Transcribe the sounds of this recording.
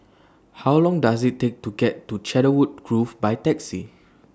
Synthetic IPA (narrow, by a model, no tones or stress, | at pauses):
hawlɔ̃ŋdasitːek̚tuɡɛtːut͡ʃɛɾəwud̚ɡɹufbajtɛksi